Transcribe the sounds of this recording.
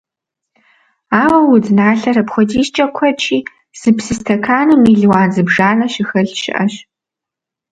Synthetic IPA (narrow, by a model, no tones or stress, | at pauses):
aːwɐwʊdnaːɬɐɾɐpxʷɔdiːst͡ʃʼɐkʷʰɔt͡ʃʰiː | z̥ɨpsɨstʰɐkʰaːnɨmiːɮwaːnzɨbʐaːnɐɕɪxɐɬʃɪ̰ʔɐɕ